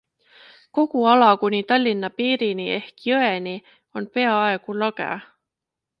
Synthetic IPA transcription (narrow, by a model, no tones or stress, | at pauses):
ko̞ɡ̥uɑlɑkunʲit̪ɑlʲːinːɑpiːɾinie̞hkjøenʲi | o̞npe̞ɑɑe̞ɡ̥ulɑɡ̥ḛ